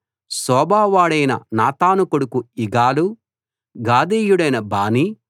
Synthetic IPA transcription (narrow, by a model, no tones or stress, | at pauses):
sɔːbaːʋaːɽɐjnɐ̰naːt̪aːnukoɽukuiɡaːlu | ɡaːd̪eːjuɽɐjnɐbaːni